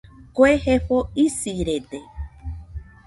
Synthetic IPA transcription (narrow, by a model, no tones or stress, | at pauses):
koehefoisiɾet̪e